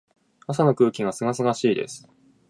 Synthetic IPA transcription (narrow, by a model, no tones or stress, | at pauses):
as̬ano̞kɯ̟ːkʲiɡasɨɡas̬ɨɡaɕiːd̪e̞̰sɨ̥